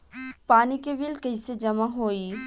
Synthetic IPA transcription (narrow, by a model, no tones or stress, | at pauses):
paːnikeʋɪlkɐised͡ʒɐmaɦoːiː